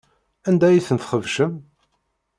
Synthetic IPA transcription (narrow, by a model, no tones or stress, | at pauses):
ænd̪æjiθənθχəvʃəm